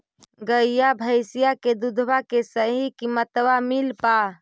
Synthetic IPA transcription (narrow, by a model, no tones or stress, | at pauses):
ɡəijabʱəɪsijaked̪ud̪ʱʋakesəɦikimət̪ʋamilpa